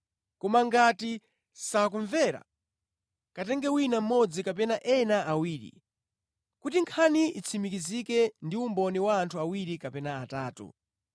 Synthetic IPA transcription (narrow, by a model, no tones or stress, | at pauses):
kɔmaŋɡati | sak̬uɱvɛɾa̰ | katɛŋɡɛwinam̩mɔd͡zikap̬ɛnaʔɛnaʔawiːɾḭ | kutiŋkʰaniit͡sʰimikizikɛndiumbɔniwaːntʰuawiɾikapɛnaataːtṵ